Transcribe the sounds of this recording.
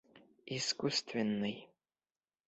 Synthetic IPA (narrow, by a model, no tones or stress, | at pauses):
iskust̪ʰvʲɪnːɨj